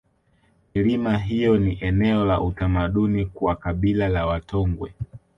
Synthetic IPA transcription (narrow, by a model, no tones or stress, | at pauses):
milimaɦijɔniʔɛnɛɔlaʔutamaɗunikwakaɓilalawatɔŋɡwɛ